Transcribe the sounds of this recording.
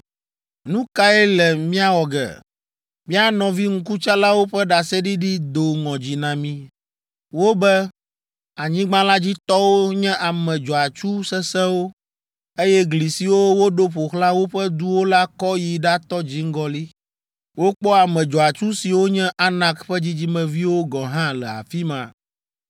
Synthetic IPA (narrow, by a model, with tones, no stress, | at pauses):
nũ˦ka˦ɛ˦lɛ˨mĩ˦a˦wɔ˨ɡɛ̰˨ | mĩ˦a˨nɔ̃˨vi˦ŋ̩˦ku˦t͡ʃa˦la˦wo˦ɸɛ˦ɖa˨sɛ˦ɖi˦ɖi˦d̪o˨ŋɔ̃˨d͡ʑi˨nã˨mĩ˦ | wo˦bɛ˦ | a˨ɲĩ˦ɡ͡bã˦la˦d͡ʑi˦t̪ɔ˦wo˦ɲɛ̃˦ʔa˨mɛ̃˨d͡ʒɔ˨a˨t͡ʃu˦sɛ˦sɛ˦wo˦ | e˦jɛ˦ɡli˨si˨wo˦wo˦ɖo˦ɸo˨xla˦wo˦ɸɛ˦d̪u˦wo˦la˦kɔ˦ji˨ɖa˦t̪ɔ˦d͡ʑi˦ŋ̩˦ɡɔ˦li˦ | wo˦k͡pɔ˦a˨mɛ̃˨d͡ʒɔ˨a˨t͡ʃu˦si˨wo˦ɲɛ̃˦ʔa˦nã˦kɸɛ˦d͡ʑi˦d͡ʑi˦mɛ̃˨vi˦wo˦ɡɔ˨ɦã˦lɛ˨a̰˨fi˦mã̰˨